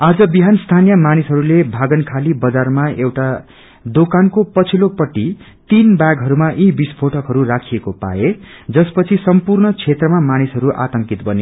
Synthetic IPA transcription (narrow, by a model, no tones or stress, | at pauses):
ad͡zʌbiɦanst̪ʰanijʌmanisɦʌɾulebʱaɡʌnkʰalibʌd͡zarmaewʈa | d̪okankopʌt͡sʰilopʌʈːi | t̪inbaɡɦʌɾumaʔibispʰoʈʌkɦʌɾurakʰijekopa̰ed͡zʌspʌt͡sʰisʌmpurɳʌt͡sʰet̪rʌmamanisɦʌɾuʔa̰t̪ʌŋkit̪bʌne